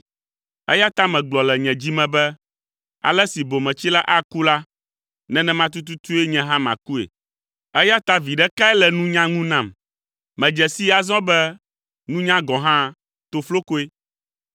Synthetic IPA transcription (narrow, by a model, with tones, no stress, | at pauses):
ɛ̰˦ja˦t̪a˦mɛ̃˨ɡ͡blɔ˨lɛ˨ɲɛ̃˨d͡ʑi˦mɛ̃˨bɛ˦ | a̰˨lɛ˦si˨bo˨mɛ̃˨t͡ɕi˦la˦ʔa˦ku˦la˦ | nɛ̃˦nɛ̃˦mã˦t̪̬u˦t̪̬u˦t̪u˦e˦ɲɛ̃˦ɦã˦mã̰˨ku˦ḛ˨ | ɛ˦ja˦t̪a˦vi˨ɖɛ˦ka˦ɛ˦lɛ˨nũ˦ɲã˦ŋũ˦nã˦˨m | mɛ̃˨d͡ʒɛ˨si˦a˨zɔ̃˦bɛ˦ | nũ˦ɲã˦ɡɔ̃˨ɦã˦ | t̪o˨flo˦ko˦e˦